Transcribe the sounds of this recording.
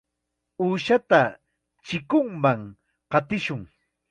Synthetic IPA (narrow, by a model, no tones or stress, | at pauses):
uːʃat̪a | t͡ʃɪkʊŋmaŋ | qɑt̪ɪʃʊŋ